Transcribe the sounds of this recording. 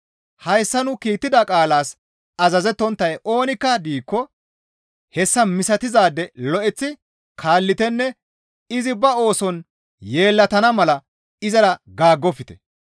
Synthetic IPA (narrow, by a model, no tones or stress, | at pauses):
hɐjsːɐnʊkiːt̪ːɪd̪ɐkʼaːlaːs | ɐzɐzɛt̪ːɔnt̪ːɐjʔo̞ːnɪkːɐd̪iːkːɔ | hɛsːɐmɪsɐt̪ɪzaːd̪ːɛlɔʔɛt͡sːɪ | kʰaːlːɪt̪ɛnːɛ | ɪzɪbɐo̞ːsɔn | je̞ːlːɐt̪ɐnɐmɐlɐ | ɪzɐɾɐɡaːɡːɔfɪt̪ɛ̥